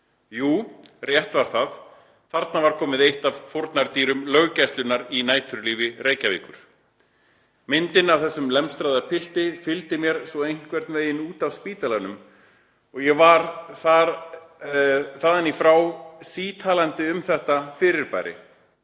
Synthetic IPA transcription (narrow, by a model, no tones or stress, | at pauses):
juːrjɛht̪vaɾ̥θað | θaɾt̪navaɾ̥kʰɔːmɪðejht̪avfoɾt̪naɾt̪iːɾʏmlœɣcɛst̪lʏnːaɾinaːjt̪ʰʏɾliːvɪreːjcavḭːkʏɾ̥ | mɪnt̪ɪnavθɛsːʏmlɛmst̪ɾajðaɾ̥pʰɪl̥t̪ɪfɪlt̪ɪmjɛɾ̥sɔejŋ̥kvɛɾt̪nveːjɪnuːt̪avspiːt̪alanʏm | ɔɣjɛvaɾθaɾ | θaːðanːifɾawsiːt̪ʰaːlant̪ɪʏmθɛht̪afɪɾɪɾpa̰ːjɾɪ̰